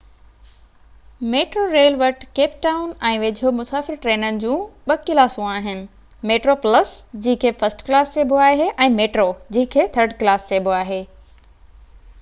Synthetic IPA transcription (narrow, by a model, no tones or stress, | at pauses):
meːʈɾoɾeːlʋəʈkeːp̚ʈaːʊnɛ̃ːʋeːd͡ʑʱomʊsaːfɪɾʈɾeːnənɪ̆d͡ʑũːɓɐkɪlaːsũaːɦɪnɪ̆ | meːʈɾoːpləsd͡ʑĩːɪ̃kʰeːfɐsʈklaːst͡ɕeːbʱoaːɦeʔɛ̃ːmeːʈɾod͡ʑĩːɪ̃kʰeːt̪ʰəɾɖklaːst͡ɕeːbʱoaːɦeː